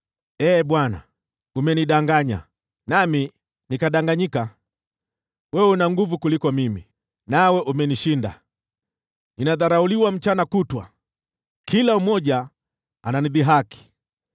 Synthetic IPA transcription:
ɛːɓwana̰ | umɛniɗaŋɡaɲa̰ | nami | nikaɗaŋɡaɲika | wɛunaŋɡuvukulikɔmimi | nawɛʔumɛniʃinda̰ | ninaðaɾauliwam̩t͡ʃanakutwa̰ | kʰilaumɔʄa | ananiðiɦaki̥

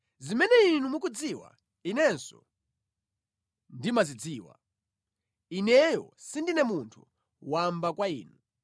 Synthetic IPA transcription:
zimɛnɛinumuk̬ud͡ziwa̰ | inɛnsɔ̰ | ndimazid͡ziːwa̰ | inɛjɔ̰sindinɛmuntʰu | wambakwaḭːnu

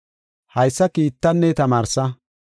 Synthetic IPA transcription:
hɐjsːɐkiːt̪ːɐnːɛt̪ɐmaːɾsɐ

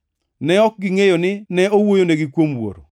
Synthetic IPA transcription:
nɛɔk̚ɡɪŋejonɪnɛowojoneɡɪkwomwo̰ɾo̰

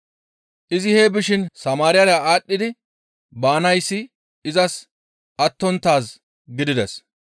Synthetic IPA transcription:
ʔɪzɪheːbɪʃɪnsɐmaːɾɪjɐɾjaaːɗːɪd̪ɪ | baːnɐjsːɪ | ɪzɐs | ʔɐt̪ːɔnt̪ːaːs | ɡɪd̪ɪd̪ɛs

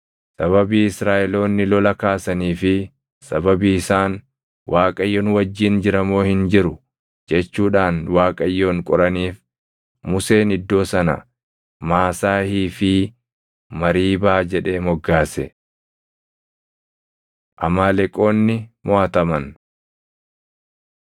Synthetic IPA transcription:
sɐβɐbiːɪsɾaːʔɛlo̞ːnːɪlɔlɐkaːsɐniːfɪ | sɐbɐbiɪsaːn | wʔaːkʼɐjːoːnwɐd͡ʒːiːnd͡ʒɪɾɐmo̞ːhɪnd͡ʒɪɾʊ | d͡ʒɛt͡ʃːuːᶑaːnwaːkʼɐjːoːŋkʼɔɾɐniːf | mʊse̞ːnɪd̪ːo̞ːsɐnɐ̰ | maːsaːhiːfɪ | mɐɾiːbaːd͡ʒɛᶑe̞ːmɔɡːaːsɛ | ʔɐmaːlɛkʼo̞ːnːɪmɔɐt̪ɐmɐn

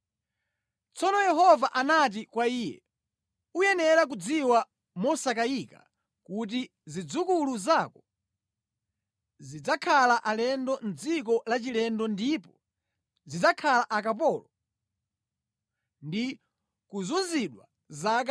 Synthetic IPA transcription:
t͡sɔnɔjɛɦɔvaʔanat̬ikwaiːjɛ̰ | ujɛnɛɾak̬ud͡ziwa | mɔsakaika̰ | kut̬i | zid͡zukuluzakɔ | zid͡zakʰalaʔalɛndɔn̩d͡zik̬ɔlat͡ʃilɛndɔndipɔ | zid͡zakʰalaʔakapɔːlɔ | ndi | kuzunziɗwa | zak

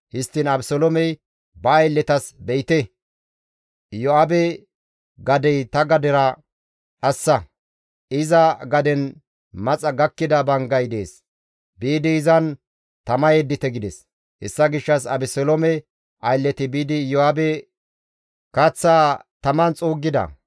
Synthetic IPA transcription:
hɪst̪ːɪnɐbsɔlomɛj | bɐːjlːɛt̪ɐsbɛɪt̪ɛ | jɔabɛ | ɡɐd̪ɛjt̪ɐɡɐd̪ɛɾɐ | ᶑɐsːɐ | ɪzɐɡɐd̪ɛn | mɐt͡sʼɐɡɐkːɪd̪ɐbɐŋɡɐjd̪e̞̰ːs | biːd̪ɪːzɐn | t̪ɐmɐjɛd̪ːɪt̪ɛɡɪd̪ɛs | hɛ̰sːɐɡɪʃːɐs̬ɐbɪsɔlɔmɛ | ɐjlːɛt̪ɪbiːd̪ɪjɔaːbɛ | kɐt͡sːaːt̪ɐmɐnt͡sʼoːɡːɪd̪ɐ̰

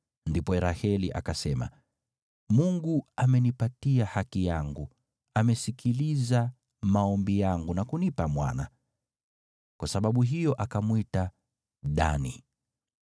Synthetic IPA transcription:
ndipɔɛɾahɛlḭʔa̰kasɛma̰ | muŋɡuamɛnipatiahakijaŋɡu | amɛsikʰiliza | maɔmbijaŋɡunakunipamwa̰na̰ | kwasaɓaɓuɦijɔʔakamwita | ɗa̰nḭ

